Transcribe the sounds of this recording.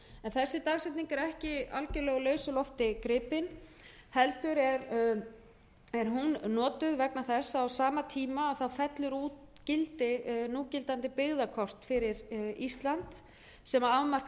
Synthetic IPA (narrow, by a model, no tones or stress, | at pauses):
ɛnθɛsːɪt̪aɣsɛt̪niŋkɛɾɛhcɪa̰lcʏɾlɛːɣʏlœːɥsʏlɔft̪ɪkɾɪːpɪn | hɛlt̪ʏɾɛɾ | ɛɾɦunnɔːt̪ʏðvɛknaθɛsːaːwsaːmat̪ʰiːmaːwθawfɛt̪lʏɾuːt̪ | cɪlt̪ɪnuːcɪlt̪ant̪ɪpɪɣðakʰɔr̥t̪fɪɾɪɾist̪lant̪ | sɛmaawmar̥k